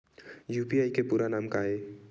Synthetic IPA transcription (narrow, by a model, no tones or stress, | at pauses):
juːpiaːikepuːɾanaːmkaːe